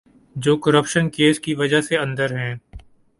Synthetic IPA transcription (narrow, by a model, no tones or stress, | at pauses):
d͡ʒoːkəɾəpʃənkeːskiʋɐd͡ʒaɦseɐ̃nd̪əɾɦɛ̃ː